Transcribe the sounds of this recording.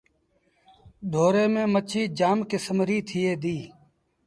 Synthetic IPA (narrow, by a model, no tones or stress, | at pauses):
d̪ʱoːɾeːmẽːmət͡ʃʰiːd͡ʒaːmkɪsəmɾiːt̪ʰɪjeːd̪iː